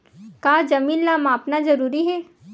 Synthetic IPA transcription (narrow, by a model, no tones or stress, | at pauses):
kaːd͡ʒɐmiːlːaːmaːpnazɐɾuːɾiɦɛː